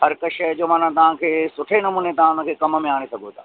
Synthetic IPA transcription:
ɦɐɾkɐʃɐd͡ʑoːmãːn̤ãt̪ɐʋ̤ãkʰeːsʊʈʰenɐmuːnet̪ɐɦãʊnə̆kʰeːkɐmmẽaːɽ̃esɐɡʱot̪ʰaː

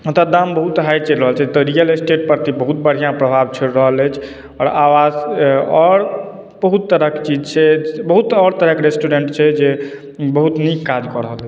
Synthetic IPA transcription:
t̪əd̪ambəɦut̪ɦajt͡ʃelɾəɦəlt͡ʃʰɛt̪ɔɾijəlesʈeʈ̚pəɾt̪ibəɦut̪̚bəɽ̤ijãpɾəbʱabt͡ʃʰeɾəɦələjt͡ʃʰ | ɔːɾawazɔɾ | bəɦut̪ːəɾəkt͡ʃid͡ʒt͡ʃʰɛbəɦut̪ɔɾt̪əɾəkɾesʈuɖeɳʈt͡ʃʰɛd͡ʒe | bəɦut̪nikːad͡ʒkɔɾəɦəlɛ

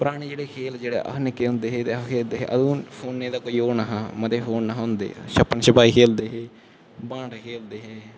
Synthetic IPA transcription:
pʊɾaːɽ̃eːd͡ʒeːɽeːkʰeːld͡ʒeːɽḛːʔə̰ɦnɪkːeːɦʊ̃nd̪eːɦeːt̪eːəkʰeːld̪eːɦḛːʔə̰d̪ũːpʰoːnːeːd̪aːkoːiːoːnəɦãːmət̪eːɦoːnːəɦɦʊ̃nd̪ḛːʃəpːənʃəpaːiːkʰeːld̪eːɦeː | bãːɳɖkʰeːld̪eːɦeː

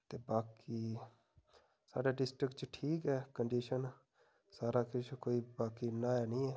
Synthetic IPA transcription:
t̪eːbaːkiː | saːɖaːɖɪsʈɾɪkʈt͡ʃʈʰiːkɦɛːkəɳɖiːʃən | saːɾaːkɪt͡ʃʰkoːiːbaːkiːnaːaːnĩːɛː

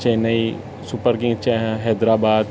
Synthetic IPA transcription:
t͡ʃeːnai | sʊpəɾɡɪ̃ŋɡt͡ʃɦɛːd̪ɾaːbaːd̪

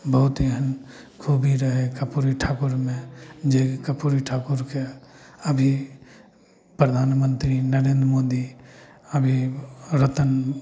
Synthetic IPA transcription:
bəɦʊt̪eɦən | kʰubʱiɾəɦekəpuɾiʈʰaːkuɾmẽd͡ʒekəpuɾiʈʰaːkuɾke | əbʱi | pɾəd̪ʱaːnmənt̪ɾinəɾẽːnd̪ɾmoːd̪i | əbʱiɾət̪ən

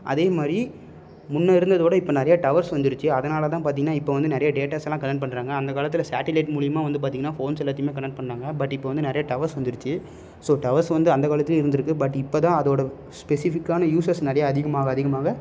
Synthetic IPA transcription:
ʔɐ̰ðeːmaːd̪ɾi | mʊnːɐɪɾɯnd̪ɐðoːɽɐɪpːoːnɛɾɐjɐʈɐʋɐɾsʋɐnd̪ɪɾɯt͡ʃːɯɐðɐnaːlɐt̪ãːpaːɾt̪ĩːŋɡɐnaːɪpːoːʋɐnd̪ɯnɛɾɐjɐɖeːʈaːsɐlːãːkɐnɛʈ̚pɐɳːɾaːŋɡɐːnd̪ɐkaːlɐt̪ːɪlɐsaːʈɪlɐɪʈmuːɽɪjɐmaːʋɐnd̪ɯp̬aːt̪ĩːŋɡɐnːaːfoːnsɛlːaːt̪̬ːɪmeːkɐnɛʈ̚pɐɳːɾaːŋɡɐbɐʈːɪpːoːʋɐnd̪ɯnɛɾɐjɐʈɐʋɐɾsʋɐnd̪ɪɾɯt͡ʃːɯ | soːʈɐʋɐɾsʋɐnd̪ɯɐnd̪ɐkaːɭɐt̪ːɪlɪɾɯnd̪ɯɾɯkːɯbɐʈːɪpːoːt̪ãːɐðoːɽɐ | spɛsɪfɪkːaːnɐjuːsɐɾsnɛɾɐjɐːðɪɣɐmaːɣɐːðɪɣɐmaːɣɐ

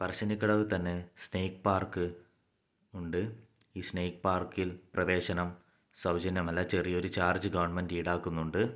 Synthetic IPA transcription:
pɐrɐɕɐnikʲːɐɽɐʋɨt̪ɐnːe̞sneːkpaːrkɨ | uɳɖɨ | iːsneːkpaːrkilprɐʋe̞ːɕɐnɐm | sɐwd͡ʑɐnjɐmɐlɐt͡ɕerijo̞ɾut͡ɕaːrd͡ʑɨɡɐʋɐɳmendiːɽaːkːunːuɳɖɨ

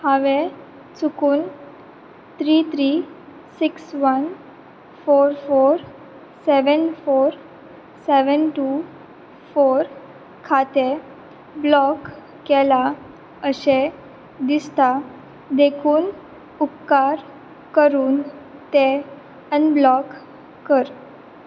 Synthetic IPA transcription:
hãʋẽ | t͡sukuːn | t̪ʰɾit̪ʰɾi | siksʋən | foɾfoɾ | seʋənfoɾ | seʋənʈu | foɾ | kʰat̪e | blɔkː | ɛla | əsẽ | d̪ist̪a | d̪ekʰuːn | upkaɾ | kəɾuːnt̪e | ənblɔkː | əɾ

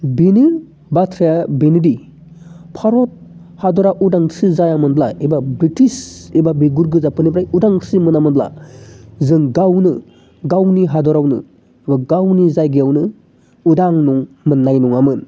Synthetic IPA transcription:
bini | batʰɾajabenidi | pʰaɾɔt̚ | hadɔɾaʔudaŋsizajamɯnblaebabɾitisebabiɡuɾɡɯzapɯnibɾajudaŋsimɯnamɯnbla̰ | zɯŋɡawnɯ | ɡawniɦadɔɾawnɯ̰ | ibaɡawnizajɡiawnɯ | udaŋnuŋ | mɯnːajnuŋamɯn

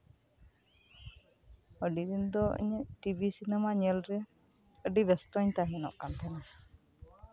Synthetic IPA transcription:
əɖid̪ind̪ɔḭɲɛʈibʱisinɛmaɲɛlɾɛ | əɖibɛst̪ɔɲt̪aɦinɔ̰ʔkant̪ʰɛna

